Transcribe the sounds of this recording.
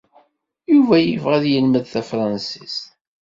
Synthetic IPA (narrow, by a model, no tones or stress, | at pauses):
juvæjəvʁæðjəlməðθæfɾˤɑnsis